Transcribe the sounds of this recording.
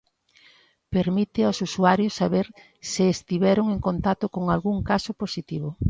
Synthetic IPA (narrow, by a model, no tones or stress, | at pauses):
peɾmit̪ɪosusuaɾjosːaβeɾ | sɪːst̪iβɛɾoŋeŋkont̪at̪okoŋalɣuŋkasoposit̪iβ̞o